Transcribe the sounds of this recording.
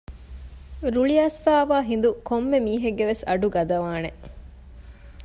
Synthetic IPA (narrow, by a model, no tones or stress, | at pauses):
ɾuɭiaːsfaːʋaːɦind̪ukomːemiːɦeɡːeʋesɐɖuɡɐd̪ɐʋaːne